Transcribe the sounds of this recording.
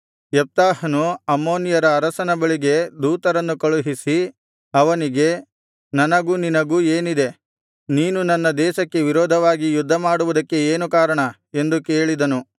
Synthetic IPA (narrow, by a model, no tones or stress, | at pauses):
jɛp̚t̪aːɦɐnuɐmːo̞ːnijɐɾɐːɾɐsɐnɐbɐɭiɡe̞d̪uːt̪ɐɾɐnːukɐɭuɦisi | ɐʋɐniɡe̞ | nɐnɐɡuːninɐɡuːeːnid̪e̞ | niːnunɐnːɐd̪ɛːʃɐkːe̞ʋiɾɔːd̪ʱɐʋaːɡijud̪ʱːɐmaːɽuʋud̪ɐkːe̞eːnukaːɾɐɳɐ | e̞nd̪uke̞ːɭid̪ɐnu